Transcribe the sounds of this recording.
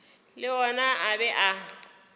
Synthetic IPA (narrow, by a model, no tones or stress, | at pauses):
lɪɔnaabɛʔa